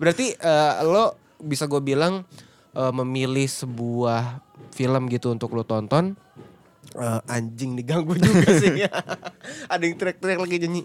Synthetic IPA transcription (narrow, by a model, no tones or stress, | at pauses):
bəɾart̪iʔəːlo | bisaɡuabilaŋ | ʔəːməmilɪhsəbuahfiləmɡit̪uːnt̪ʊklot̪ɔnt̪ɔn | ʔəːaɲd͡ʒɪŋdiɡaŋɡud͡ʒuasiɲa | adɛŋt̪iɾɛk̚t̪iɾɛklaɡid͡ʒaɲi